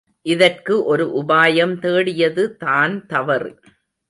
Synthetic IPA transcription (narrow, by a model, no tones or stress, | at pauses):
ʔɪðɐrkɯʔɔɾɯʔʊbaːjɐmt̪eːɽɪjɐðɯt̪aːnt̪ɐʋɐɾ